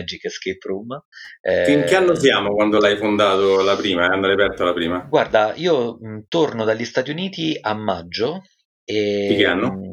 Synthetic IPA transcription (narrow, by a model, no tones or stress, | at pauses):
d͡ʒikːsket̪ɾumɛfiŋkeanːosjaːmokwand̪olajfond̪aːt̪olapɾiːmaand̪ɾajapɛrt̪olapɾiːmaɡward̪aiːomt̪ornod̪aʎːist̪at̪̬juniːt̪iamːad͡ʒːo | eikeanːo